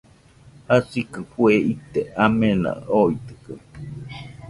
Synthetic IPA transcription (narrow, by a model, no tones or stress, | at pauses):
hasikɨɸueit̪eamena̰oit̪ɯ̥kɨ